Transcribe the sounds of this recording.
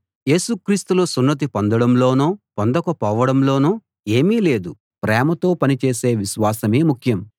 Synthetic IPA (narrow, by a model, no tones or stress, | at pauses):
je̞ːsukɾiːst̪uloːsunːɐt̪̬ipond̪ɐɽɐmlo̞ːnuːpond̪ɐkɐpɔːʋɐɽɐmlo̞ːnuː | e̞ːmiːle̞ːd̪u | pɾɛːmɐt̪o̞ːpɐnit͡ʃeːseːʋiʃʋaːsɐmeːmukʰjɐm